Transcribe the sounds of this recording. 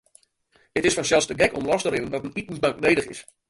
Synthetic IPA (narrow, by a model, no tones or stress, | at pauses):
ətɪsfɔnsɛlˠstəɡɛkɔ̰mlɔstəɾɪnənʋɔtənit̚musbaŋknejdəχɪ̰s